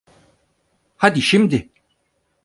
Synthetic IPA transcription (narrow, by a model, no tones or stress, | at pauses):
had̪iʃimd̪ɪ